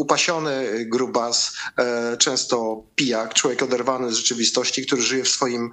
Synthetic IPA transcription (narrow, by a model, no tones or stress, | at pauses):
upaɕɔnɘɡɾubas | t͡ʂɛ̃w̃st̪ɔpʲijakt͡ʂwɔvʲjɛkɔd̪ɛɾvanɘzʐɛt͡ʂɘvʲist̪ɔɕt͡ɕikt̪uɾɘʐɘjɛfsfɔjim